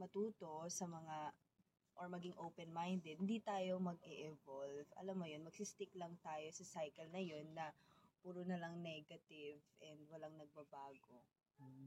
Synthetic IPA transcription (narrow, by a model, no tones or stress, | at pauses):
mɐt̪uːt̪o̞sɐmɐŋa | ʔoɹmɐɡiŋʔowpɛnmajnd̪ɛd̪hɪnd̪it̪aːjo̞mɐɡ̚ɛʔɛvolvɐ̰lamːojo̞nmɐɡ̥̚sist̪ɪklɐŋt̪aːjo̞sɐsajkɛlnɐjo̞nːɐpuːɾonɐlɐŋnɛɡɐt̪ɪvʔɛnd̪wɐlɐŋnɐɡ̚bɐbaːɡo̞